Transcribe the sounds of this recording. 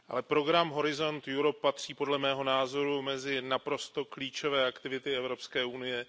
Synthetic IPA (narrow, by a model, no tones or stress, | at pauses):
ʔa̰lɛpɾo̞ɡɾamɦo̞ɾɪzo̞nt̪juɾo̞pːat̪r̝̥iːpo̞dlɛmɛːɦo̞naːzo̞ɾumɛzɪnapɾo̞st̪o̞kliːt͡ʃo̞vɛːʔakt̪ɪvɪt̪ɪɛvɾo̞pskɛːunɪjɛ